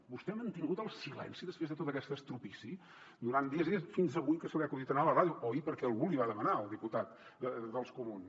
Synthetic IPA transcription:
bust̪ɛmənt̪iŋɡut̪əlˠsilɛ̰nsiðəspɾezðət̪ot̪əkɛst̪əst̪ɾupisi | d̪uɾand̪iəzðiəsfinzəβujkəsəliakuðit̪ənaləraðjuʔoipəɾkɛəlˠɣuliβaðəmənaəlˠd̪iput̪at̪̚ | əd̪əlˠskumun

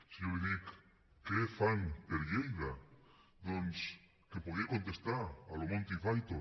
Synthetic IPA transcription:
sioβeðik | kefaŋpeɾʎejða | d̪ons | kepoɣejkont̪est̪aɾalomõnt̪ifajt̪o

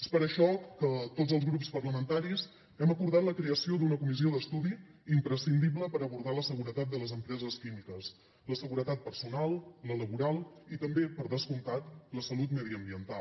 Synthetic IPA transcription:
espəɾəʃɔkət̪ozəlˠzɣɾupspərləmənt̪aɾis | ɛməkuɾð̞at̪ləkɾeəsiod̪unəkumizioðəst̪uðiːmpɾəsind̪iβləpəɾəβuɾð̞aləsəɣ̞uɾət̪at̪̚d̪ələzəmpɾɛzəskimikəs | ləsəɣuɾət̪at̪̚pərsunalˠlələβuɾalˠit̪əmbepəɾðəskunt̪at̪ləsəlut̪məðiəmbiənt̪al

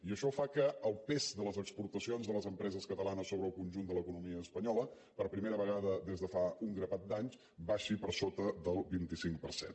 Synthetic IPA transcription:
iəʃɔfakəːlˠpezd̪ələzəkspuɾt̪əsionzðələzəmpɾɛzəskət̪əlanəsːoβɾəlˠkunʲʒund̪ələkunumiəːspəɲɔlə | pəɾpɾimeɾəβəɣaðəðezðəfauŋɡɾəβat̪̚d̪aɲs | baʃipəɾsot̪əðəlˠbint̪isiŋk̚pəɾsḛn

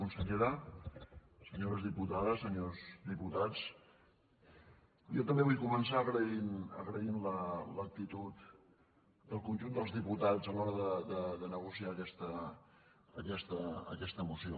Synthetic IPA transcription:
unsəʎeɾə | səɲoɾəzðiput̪aðəsəɲozd̪iput̪at͡s | jɔt̪əmbeβujkumənsaəɣɾəinə̰ɣɾəinlələk̚t̪it̪ut̪ | d̪əlˠkunʲʒund̪əlˠzðiput̪ad͡zzəlɔɾəðəðəðənəɣusiaːkɛst̪ə | əkɛst̪əə̰kɛst̪əmusio

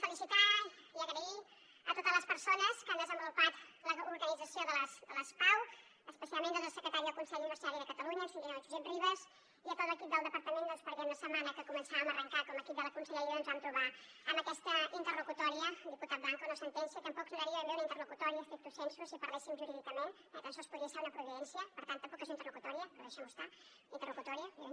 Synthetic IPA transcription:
fəlisit̪aiəɣɾəi | ət̪ot̪əzləspəɾsonəskand̪əzəmbulupat̪ləuɾɣənid͡zəsioðələsd̪ələspaw | əspəsialˠmenəzəlˠsəkɾət̪aɾiðəlˠkunsɛʎunibəɾsiaɾiðəkət̪əluɲənsind̪inalit̪zibɾiβəs | iət̪ot̪ləkip̚d̪əlˠəpəɾt̪əmend̪əlˠspəɾðenəsəmanəkəkumənsaβəmərəŋkakɔməkip̚d̪ələkunsəʎəɾjoənzβamt̪ɾuβa | əməkɛst̪əint̪ərlukut̪ɔɾiəd̪iput̪at̪̚baŋkunəsənt̪ɛnsiət̪əmpɔksiɾəɾiəmbeunəint̪ərlukut̪ɔɾiəst̪ɾik̚t̪usɛnsusipəɾlɛsimʒuɾiðikəmẽn | ət̪ənsɔspuðiəseɾunəpɾuβiðɛnsiəpəɾt̪ant̪ːəmpɔkezint̪ərlukut̪ɔɾiəpɾðeʃɔnost̪a | int̪ərlukut̪ɔɾiə

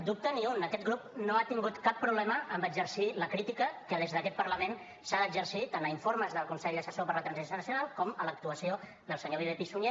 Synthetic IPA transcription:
d̪up̚t̪əniunəkɛt̪̚ɡɾupnoat̪iŋɡut̪kapːɾuβlɛməəmbəd͡ʒəɾsiləkɾit̪ikəkəðezðəkɛt̪pəɾləmen | saðəːɡd͡ʒəɾsit̪anəiɱfoɾməzðəlˠkunsɛʎd̪əsəsopəɾlət̪ɾənzisonəsjunalˠkɔmələk̚t̪uəsio | ðəlˠsəɲoβiβepisuɲe

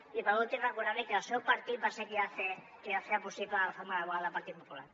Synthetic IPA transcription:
iβaðot̪irakoɾaβekeasewpaɾt̪ibasekiaθe | eaθeaposiplaalafaɾmaðaβoalapaɾt̪ipopula̰ɾ

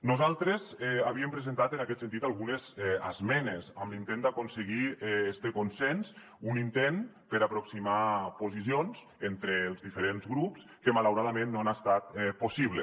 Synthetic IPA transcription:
nuzalˠt̪ɾezɛaβ̞iəmpɾezent̪at̪enakɛt̪sent̪̬it̪alˠɣunezɛa̰zmɛnezamlint̪end̪akonseɣiɛɛst̪ekonsɛns | unint̪en | pəɾapɾoksimapozisionz | ent̪ɾeːlˠzðifəɾenzɣɾupskəmalawɾaðamẽnːoanast̪at̪ɛposiβle

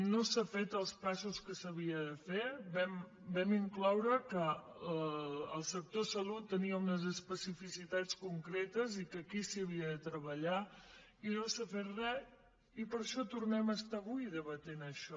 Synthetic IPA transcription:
nosafet̪əlˠspasuskəsəβiəðəfebɛm | bɛmiŋklawɾəkə | lˠsək̚t̪osəlut̪ːəniəunəzəspəsifisit̪at͡skuŋkɾet̪əzikəkisiəβ̞iəðət̪ɾəβəʎa | inosafetrɛ | ipəɾʃɔt̪uɾnɛməst̪aβuiðəβət̪enəʃɔ

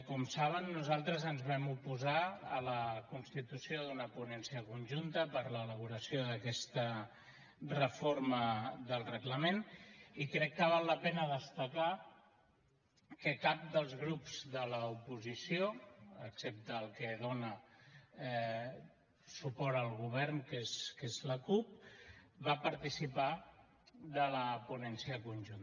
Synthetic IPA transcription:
kɔmsaβ̞ənːuzalˠt̪ɾəzənzβɛmupuzaələkunst̪it̪usioðunəpunɛnsiəkunʲʒunt̪əpəɾləːləβ̞uɾəsjoðəkɛst̪ə | rəfoɾməðəlˠrəɣləmenikɾɛkːəβ̞alːəpɛnəðəst̪əka | kəkap̚d̪əlˠzɣɾupz̥ðələupuzisioəksep̚t̪əːlˠkəðonə | supɔɾəlˠɣuβ̞ɛɾŋkeskezləkup̚bapəɾt̪isipa | ðələpunɛnsiəkunʲʒun

